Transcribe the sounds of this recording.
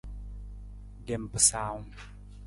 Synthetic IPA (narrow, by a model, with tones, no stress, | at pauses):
dɛ˨mpə˨sa˧˦w